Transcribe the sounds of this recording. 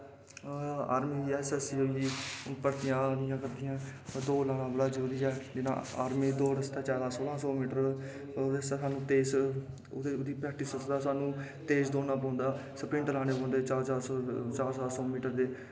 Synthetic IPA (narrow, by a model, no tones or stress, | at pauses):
a̰ːɾmiːiɛːsɛsiːoiiːpəɾt̪ɪjãːnɪjãːkəɾd̪ɪjãːd̪oːlaːɽ̃ãːbəɽaːd͡ʒəɾuːɾiːɛːd͡ʒɪnã̰ːa̰ːɾmiːd̪oːɾəst̪aːt͡ʃaːlãːsoːlãːsɔːmiːʈəɾ | essaːnũːt̪eːs | ʊd̪iːpɾɛːk̚ʈɪsəsd̪aːsaːnũː | t̪eːsd̪oːnãːpɔ̃ːnd̪aːsəpɪ̃ɳʈlaːneːpɔ̃ːnd̪eːt͡ʃaːt͡ʃaːɾt͡ʃaːɾsaːsɔːmiːʈəɾd̪eː